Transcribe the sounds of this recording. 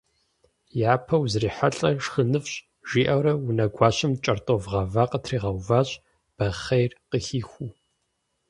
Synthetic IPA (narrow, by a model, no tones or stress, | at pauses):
jaːpʰɐwzriːħaɬʼɐʂxənɨfɕʼ | ʒ̥iːʔɐwɾɐwunɐɡʷɑːɕɐmt͡ʃʼɐrtʼovʁɐvaːqətʰriːʁɐwvaːɕʼ | b̥ɐχejrqəxiːxʷu